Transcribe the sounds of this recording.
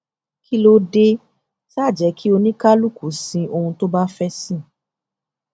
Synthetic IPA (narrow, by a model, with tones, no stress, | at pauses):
ki˦lo˧de˧ | sa˦˨d͡ʒɛ˨˦kʰi˦o˧nĩ˦ka˦lu˦˨kʰu˨˦sĩ˧ʔo˧hũ˧to˦ba˦fɛ˦sĩ˦˨